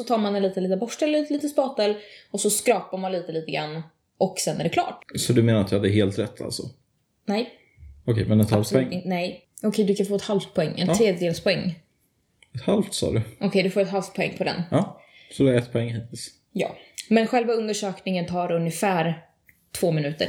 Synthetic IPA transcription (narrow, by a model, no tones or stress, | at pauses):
sɔt̪ʰɑːɾmanɛnliːt̪əliːt̪əbɔʂɛlːət̪liːt̪əspɑːt̪ɛlɔsɔskɾɑːpaɾmanliːt̪əliːt̪əɡɾa̰nː | ʔɔksɛnːæ̰ɖɛkʰlɑ̰ːʈsɔd̪ɵmeːnaɾat̪d̪ɵhad̪ːəɦeːlt̪ɾɛt̪ʰːa̰ltsɔ̰ | nɛj | ɔkʰɛ̰jmɛnɛt̪halft̪ʰɔɛŋnɛjɔkʰɛjd̪ɵkʰanfoːɛt̪halft̪̚pʰɔɛŋːɛ̰nt̪ʰːɾeːd̪jəd̪eːlspʰɔɛŋː | ɛt̪halft̪sɑ̰ːd̪ɵɔkʰɛjd̪ɵfoːɾɛt̪ɦalft̪̚pʰɔɛ̰ŋːpʰɔd̪ɛ̰nɑː | sɔd̪ɛɾɛt̪ːpʰɔɛŋːhiːt̪ʰɪls | jɑ̰ːmɛnɧɛlvaɵnd̪əʂøːknɪŋənt̪ʰɑːɾɵnjəfæːɾ | t̪ʰv̥oːmɪnʉ̟ːt̪ə̰ɾ